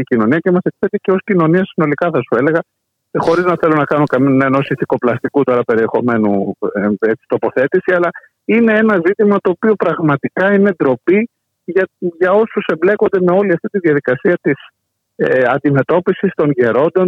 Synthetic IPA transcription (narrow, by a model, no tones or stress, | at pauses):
icino̞niɐce̞mɐse̞kfeɾt̪ice̞o̞scino̞niɐsino̞likɐθɐsue̞le̞ɣɐ | xo̞ɾiznɐθe̞lonɐkɐnokɐmineno̞siθiko̞plɐst̪ikut̪o̞ɾɐpe̞ɾie̞xo̞̰me̞nṵ | e̞t͡si̥t̪o̞po̞θe̞t̪isiɐlɐ | ine̞e̞nɐzit̪imɐt̪o̞ːpio̞pɾɐɣmɐt̪ikɐine̞d̪ɾo̞pi | ʝɐʝɐo̞suse̞mble̞kond̪e̞me̞o̞liɐft̪it̪iðjɐðikɐsiɐt̪is | ɐnd̪ime̞t̪o̞pisist̪o̞nʝe̞ɾo̞nd̪o̞n